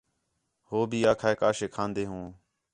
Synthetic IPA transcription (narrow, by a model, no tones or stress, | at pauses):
hoːbʱiːaːkʰaːekaːʃeːkʰãːnd̪eːɦũː